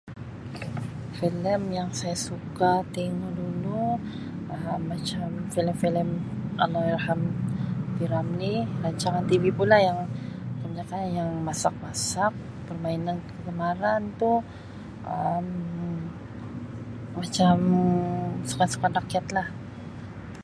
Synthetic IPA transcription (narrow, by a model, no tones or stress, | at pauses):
filəmjaŋsajasukat̪eŋɔdulu | ʔəmːat͡ʃamfiləmfiləmalahalhamfiɾamniɾaɲt͡ʃaŋant̪ivipulahjaŋkəmɲakanjaŋmasak̚masak̚ | pərmainankəɡəmaɾant̪u | ʔəm | at͡ʃam | su̥kansu̥kanakiat̪lah